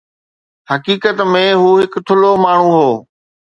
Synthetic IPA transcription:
hɐkiːkət̪mẽɦuːɦɪkt̪ʰʊlomaːɳ̤ũɦoː

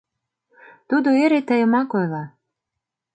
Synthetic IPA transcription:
t̪ud̪oeɾet̪əjə̆mɑkojlɑ

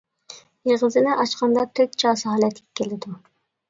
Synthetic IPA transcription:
jeʁɨzɪnɪʔɑt͡ʃqɑnd̪ɑt̪ʰøt̪̚t͡ʃʰɑːsɨɦɑlɛt̪ɪ̥kʲkʲːelɪd̪u

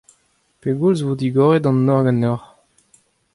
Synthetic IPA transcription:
peɡulzvod̪iɡɔʁed̪ɑ̃nːɔʁɡɑnɔʁ

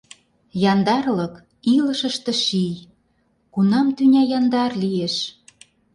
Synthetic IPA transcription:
jɑnd̪ɑrlɤ̆k | iləʃə̆ʃt̪ĕʃij | kunɑmt̪ynʲɑjɑnd̪ɑrlieʃ

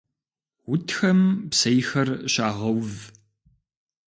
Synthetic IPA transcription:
wʊtʰxɐmpsɐjxɐrɕaːʁɐwv

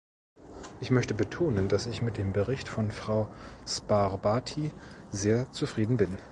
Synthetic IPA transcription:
ʔɪçmœçtəbətʰoːnəndasɪçmɪt̚d̥eːmbəʁɪçtfɔnfʁ̥aʊspaʁbaːtʰizeːɐt͡sufʁ̥iːdn̩bɪn

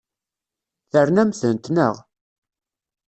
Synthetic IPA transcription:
θəɾnæmθənt̪nə̰ʁ

